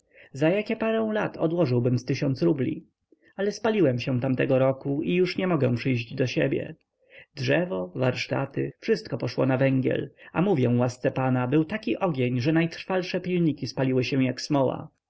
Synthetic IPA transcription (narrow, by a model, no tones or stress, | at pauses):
zajakʲɛpaɾɛ̃w̃lat̪ʰɔ̰d̪wɔʐɘwbɘmst̪ɘɕɔnt̪sɾublʲḭ | alɛspalʲiwɛmɕɛ̃t̪amt̪ɛɡɔɾɔkuijuʂɲɛmɔɡɛ̃w̃pʂɘjʑd͡ʑd̪ɔɕebʲjɛ̰ | dʐɛvɔvaɾʂt̪a̰t̪ɘ̰fʂɘst̪̚kɔpɔʂwɔ̰navɛŋɡʲjɛ̰lamuvʲjɛ̃wast̪sɛpanabɘwt̪akʲiʔɔɡʲeɲʐɛnajt̪ɾ̥falʂɛpʲilɲikʲispalʲiwɘɕɛw̃jaksmɔwa̰